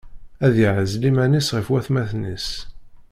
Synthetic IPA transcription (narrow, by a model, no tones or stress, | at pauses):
æðiʕəzlimænisʁəfwæθmæθnis